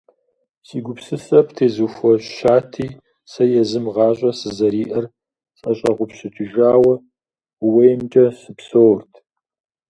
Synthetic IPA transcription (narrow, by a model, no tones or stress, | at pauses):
siːɡʷʊpsɨsɐpʰtʰeːzuːfɔɕɕaːtʰiː | sɐjɛzɨmʁɑːɕʼɐsɨzɐɾiːʔɐr | sʼɐɕʼɐʁʷʊpɕɪt͡ʃʰɪʒaːwɐ | wejmt͡ʃʼɐsɨpsoːrtʰ